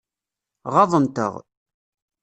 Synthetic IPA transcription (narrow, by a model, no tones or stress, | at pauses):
ʁɑðˤənt̪ə̰ʁ